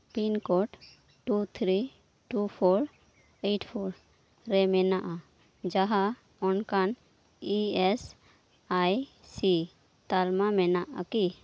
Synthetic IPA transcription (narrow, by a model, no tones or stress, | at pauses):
pinkɔʈ | ʈut̪ʰɾi | ʈupʰɔɾ | eʈʰpʰɔɾ | ɾɛmɛnaʔa | d͡ʒaɦa | ɔnkan | iɛs | ajsi | t̪almamɛnaʔa̰ki